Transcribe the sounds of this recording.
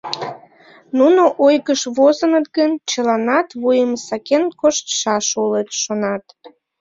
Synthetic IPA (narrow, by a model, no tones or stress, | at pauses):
nunoʔojɣəʃβozənət̪̚ɡənt͡ɕəlɑnɑt̪βujəmsɑkenkoʃt̪ʃɑʃolet̪ʃonɑt̪